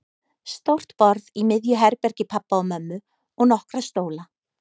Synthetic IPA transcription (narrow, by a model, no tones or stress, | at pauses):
st̪owr̥t̪pɔɾðimɪðjʏɦɛɾpɛɾ̥cɪpʰapːaɔmœmːʏ | ɔɣnɔhkɾast̪oːwla